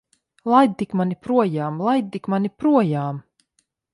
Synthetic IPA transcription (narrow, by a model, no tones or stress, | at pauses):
lˠajd̪̚t̪ikmanipɾuɔjaːmlˠajd̪̚t̪ikmanipɾuɔjaːm